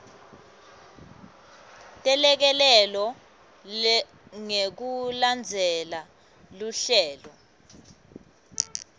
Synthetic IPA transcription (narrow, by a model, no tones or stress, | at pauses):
tʼɛlɛk̬ɛlɛlɔ | ŋek̬uland͡zʱɛla | luɬɛːlɔ